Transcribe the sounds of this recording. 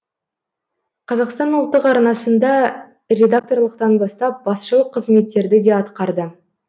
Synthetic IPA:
qʰɑzɑqst̪ɑnʊlˠt̪ːəqɑɾnɑsənd̪ɑ | ɾʲe̞d̪ak̚t̪o̞rlˠəqt̪ɑnbɑst̪ɑp̚bɑsʃəlˠəqʰːəzme̞t̪ːe̞ɾd̪ɪd̪e̞ɑt̪qɑɾd̪ə

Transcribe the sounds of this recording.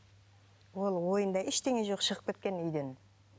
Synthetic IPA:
wo̞lˠwo̞jənd̪ɑʔɪʃt̪e̞ŋeʒo̞qʃəʁəp̚kʲet̪̚kʲe̞nʏjd̪en

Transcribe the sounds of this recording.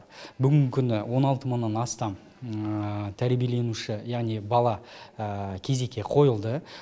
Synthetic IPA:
bʏɡʲɪŋɡʲɪkʲʰʏnɪwʔo̞nɑlˠt̪əmənːɑnɑst̪ɑm | t̪ʰæɾbijele̞nuʃɪjɑʁnijbɑlˠɑəkʲʰe̞ze̞kʲːe̞qʰo̞jəlˠd̪ə

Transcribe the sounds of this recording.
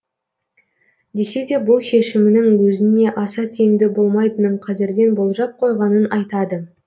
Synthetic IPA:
d̪e̞se̞d̪e̞bʊlˠʃe̞ʃɪmɪnɪŋwɵzɪne̞ʔɑsɑt̪ʰejɪmd̪ɪbo̞lˠmɑjt̪ənəɴqʰɑzɪɾd̪e̞nbo̞lˠʒɑp̚qʰo̞jʁɑnənɑjt̪ɑd̪ə

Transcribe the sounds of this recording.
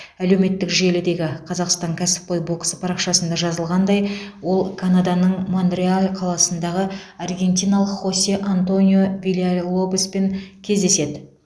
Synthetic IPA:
æle̞wme̞t̪ːɪkʒe̞lɪd̪e̞ɡʲɪqʰɑzɑqst̪ɑŋkʲʰæsɪ̥pːɑjbo̞ksə̥pʰɑɾɑqʃɑsənd̪ɑʒɑzəlˠʁɑnd̪ɑjwo̞lˠkʰanad̪ɑnəɴmond̪rialʲqʰɑlˠɑsənd̪ɑʁəɑrɡʲe̞nt̪ʲijnɑlˠəqχo̞sʲeʔant̪o̞nʲijo̞vilʲialˠo̞bspe̞ŋkʲʰe̞zd̪e̞se̞d̪ɪ

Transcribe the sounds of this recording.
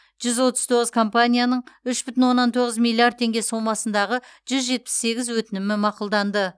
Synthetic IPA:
ʒ̥ʏzwo̞t̪əz̥t̪ʰo̞ʁəz̥kʰo̞mpanʲijanəɴʏʃbʏt̪ɪnwo̞nːɑnt̪ʰo̞ʁəzmilʲːˠiard̪̚t̪ʰe̞ŋɡʲe̞so̞mɑsənd̪ɑʁəʒ̥ʏzʒe̞t̪̚pɪ̥sːe̞ɡʲɪzwɵt̪ɪnɪmɪmɑqʊlˠd̪ɑnd̪ə

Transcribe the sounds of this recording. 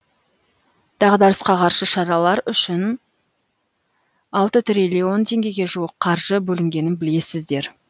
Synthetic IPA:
d̪̥ɑʁd̪ɑɾəsqɑqʰɑɾʃəʃɑɾɑlˠɑɾʏʃɪn | ɑlˠt̪ət̪ʰɾielʲio̞nt̪ʰe̞ŋɡʲe̞jɡʲe̞ʒuəqqʰɑɾʒəbɵlɪŋɡʲe̞nɪnbɪle̞sɪzd̪e̞ɾ

